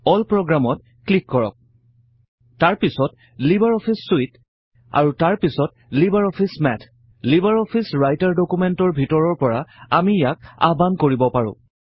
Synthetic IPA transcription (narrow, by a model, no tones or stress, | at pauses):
ɔlpɹɔɡɹamɔt | klikːɔɹɔ̰k̚ | taɹpisɔt | libaɹɔpʰisːuit | a̰ɹutaɹpisɔt̚ | libaɹɔpʰismɛtʰ | libaɹɔpʰisɹajtaɹdokumɛntɔɹbʱitɔɹɔɹpɔɹaamijak̚a̰bankoɹibɔpaɹʊ̰̃